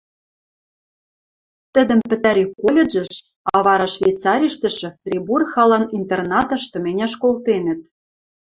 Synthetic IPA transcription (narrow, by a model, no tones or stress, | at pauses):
t̪ɘ̆d̪ə̆mpɘ̆t̪æɾʲikolʲeʒɘ̆ʃ | ɑβɑɾɑʃvʲejt̪t͡sɑɾʲiʃt̪ə̆ʃɘ̆frʲiburxɑlɑnint̪ernɑt̪ɤ̆ʃt̪ɤ̆menʲæʃkolt̪enə̆t̪̚